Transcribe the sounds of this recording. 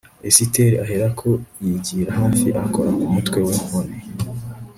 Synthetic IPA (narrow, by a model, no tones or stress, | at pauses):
esiteɾiaɦeɾakʰo̞jiɟiːɾahaːfiʔakʰo̞ɾakumutwe̞wehone